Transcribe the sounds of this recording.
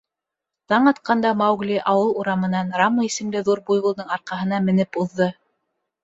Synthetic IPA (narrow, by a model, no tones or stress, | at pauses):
t̪ɑɴɑt̪̚qɑnd̪ɑmɑwɡlʲiʔɑwɤlˠuɾɑmɤ̆nɑnrɑmːɤisɘ̆mlɘðuɾbujʁŭlˠd̪ɤɴɑɾqɑɦɤ̆nɑmɘ̆nɘpuðːɤ